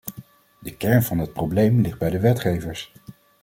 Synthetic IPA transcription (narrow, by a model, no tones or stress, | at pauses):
dəkɛɹnvɑnɦət̚prowblejmlɪχd̚bɛjdəʋɛtχejvəɹs